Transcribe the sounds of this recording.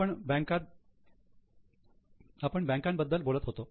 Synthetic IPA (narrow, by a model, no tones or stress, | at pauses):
əɳbɛ̃ŋkat̪̚ | apəɳbɛ̃ŋkambəd̪ːəlbolət̪ɦot̪o